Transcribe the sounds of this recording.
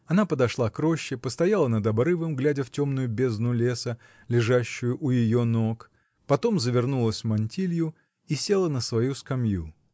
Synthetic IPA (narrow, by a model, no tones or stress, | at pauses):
ɐnapəd̪ɐʂlˠakɾo̞ɕːɪpəst̪ɐjalˠənəd̪ɐbɾɨvɨmɡlʲædʲəftʲomnʊjʊbʲe̞znʊlʲe̞sə | lʲɪʐaɕːʊjʊʔʊjɪjono̞k | pɐt̪o̞mzəvʲɪrnulˠəsʲmɐnʲtʲilʲjʊ | isʲe̞lˠənəsvɐjuskɐmjṵ